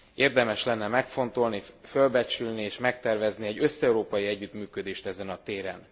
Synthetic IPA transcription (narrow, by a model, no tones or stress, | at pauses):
eːrd̪ɛmɛʃlɛnːɛmɛkfo̞nt̪o̞lnifølbɛt͡ʃylnieːʃmɛk̚t̪ɛrvɛzniɛɟø̞sːɛuɾoːpɒjiɛɟːyt̪myːkød̪eːʃt̪ɛzɛnɒt̪eːɾɛ̰n